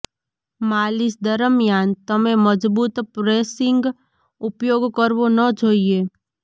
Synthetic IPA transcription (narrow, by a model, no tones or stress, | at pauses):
maːlɪsd̪əɾəmjaːnt̪əmẽməd͡ʒbuːt̪pɾeːsɪ̃ŋɡ | ʊpjoːɡkəɾbonəd͡ʒʱoːieː